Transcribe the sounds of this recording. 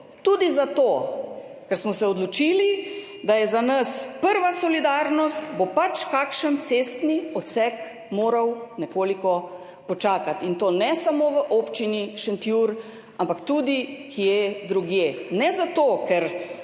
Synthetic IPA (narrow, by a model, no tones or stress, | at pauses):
t̪ud̪izat̪o | kɛɾsmɔsɛɔd̪lut͡ʃili | d̪ajɛzanəspəɾʋasɔlid̪aːɾnɔst̪bopat͡ʃkakʃənt̪sest̪niɔt̪sɛk | moːɾawnɛkoːlikɔ | pɔt͡ʃaːkat̪int̪oːnɛsamoʋəʔopt͡ʃiniʃənt̪juɾ | ampakt̪ud̪ikʰijed̪ɾuɡjeːnɛzat̪oːkɛɾ